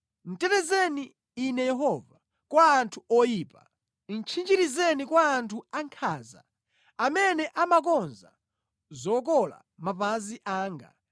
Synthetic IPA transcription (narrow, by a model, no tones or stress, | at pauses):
n̩tɛtɛzɛniː | nɛjɛɦɔva | kwaːntʰuɔjiːpa | n̩t͡ʃʰind͡ʒiɾizɛnikwaːntʰuaŋkʰaːza̰ | amɛnɛʔamak̬ɔnza̰ | zɔkɔla̰ | map̬aziʔaːŋɡa̰